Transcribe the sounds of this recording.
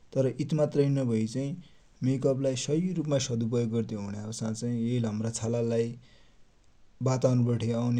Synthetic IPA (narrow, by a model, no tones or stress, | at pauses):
t̪ʌɾʌʔit̪mat̪rʌjnʌbʱʌit͡saĩ | mekʌblajsʌjrupmasʌd̪up̬ʌjoɡɡʌrt̪eɦunaosãt͡saĩeilɦʌmrat͡sʰalalaj | bat̪awnupʌʈʰeawne